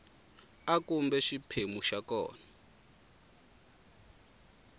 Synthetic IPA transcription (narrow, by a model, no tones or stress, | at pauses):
akumbɛʃipʰemuʃakɔ̰ːna